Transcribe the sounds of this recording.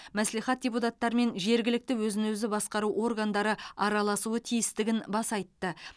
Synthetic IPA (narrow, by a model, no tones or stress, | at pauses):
mæsliχɑt̪̚dʲe̞put̪at̪ːɑɾme̞nʒe̞ɾɡʲɪlɪk̚t̪ɪwɵzɪnɵzɪbɑsqɑɾuʔo̞rɡand̪ɑɾəɑɾɑlˠɑsuət̪ʰijɪst̪ɪɡʲɪnbɑsɑjt̪ːə